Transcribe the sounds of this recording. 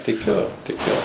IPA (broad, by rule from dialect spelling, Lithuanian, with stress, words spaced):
tʲɪˈkʲʊ tʲɪˈkʲʊ